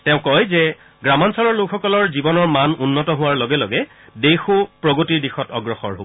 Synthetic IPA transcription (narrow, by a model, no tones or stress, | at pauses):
tɛʊ̃kɔjzɛ | ɡɹamansɔlɔɹlʊkxɔkɔlɔɹzibɔnɔɹmanunːɔtɔɦʊwaɹlɔɡɛlɔɡɛ | dexopɹɔɡotiɹdixɔtɔɡɹɔxɔ̰ɹɦo̰bɔ